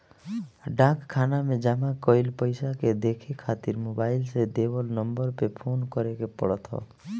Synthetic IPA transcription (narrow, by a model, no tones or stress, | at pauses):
ɖãkkʰːanamed͡ʒamakɔjlpɔjsaked̪ekʰekʰat̪iɾmobajlsed̪ebɔlnɔmbɔɾpepʰonkɔɾekepɔ̰ɽɔt̪ʰɔ̰